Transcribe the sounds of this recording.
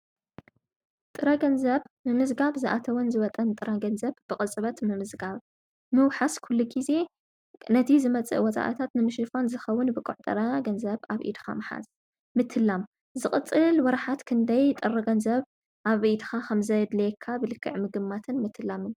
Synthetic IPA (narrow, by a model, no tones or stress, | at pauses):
t̪ʼɨɾɐɡɐnzɐβmɨmɨzɡaβzɨʔat̪ʰɐwɔnzɨβɐt̪ʼɐnt̪ʼɨɾaɡɐnzɐβb̥ɨkʼɨt͡sʼɨβɐt̪mɨmɨzɡaβ | mɨwħaskʰulːuɡize̞ | nɐt̪ʰizɨmɐt͡sʼɨ̰ʔwɔt͡sʼa̰ʔɨ̰t̪ʰat̪nɨmɨʃɨfanzɨxɐwːʊnbɨkʼuʕt̪ʼɨɾaɡɐnzɐβaβʔḭd̪xa̰mɨħa̰z | mɨt̪ʰːɨlːam | zɨχʼɨt͡sʼːɨlwɔɾħat̪kʰɨnd̪ɐjt̪ʼɨrːɐɡɐnzɐβ | ʔaβʔid̪xakʰɐmzɐjd̪lɐkʰːabɨlɨkʰːɨ̰ʕmɨɡɨmːat̪ʰɨnmɨt̪ʰːɨlamɨn